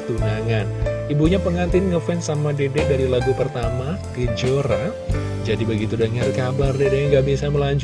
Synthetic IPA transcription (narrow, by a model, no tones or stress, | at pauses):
t̪unaŋanibuɲapəŋant̪ɪnŋəfɛnsamadedɛdaɾilaɡupərt̪amakəd͡ʒoɾa | d͡ʒadibəɡit̪udaŋərkabardedeaŋɡaʔbisaməlaɲt͡ʃ